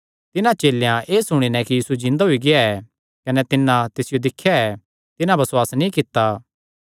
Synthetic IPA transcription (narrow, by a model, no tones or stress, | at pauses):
t̪ɪnãt͡ʃeːlːjãʔeːsʊɽ̃inɛkijiːsud͡ʒɪ̃nd̪aɦoiɡɪaɛ | kɐnɛt̪ɪnːãt̪ɪsɪjod̪ɪkʰːjaɛː | t̪ɪnãbɐswaːsnĩːkɪt̪ːaː